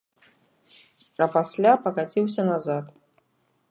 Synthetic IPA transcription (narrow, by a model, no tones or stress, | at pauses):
ɐpasʲlʲapɐkat͡sʲiwsʲɐnazat̪